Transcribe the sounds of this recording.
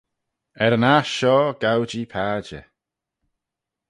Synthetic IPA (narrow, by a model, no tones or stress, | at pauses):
ɛɾənaʃɔːɡ̥awd͡ʒipʰaːd͡ʒə̰